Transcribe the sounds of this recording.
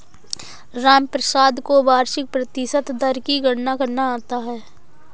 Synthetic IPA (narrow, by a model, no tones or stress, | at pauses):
ɾaːmpɾəsaːd̪kobaːɾʃɪk̚pɾɐt̪ɪʃət̪d̪ɐɾkiɡəɽ̤nakɐɾnaaːt̪aɦɛː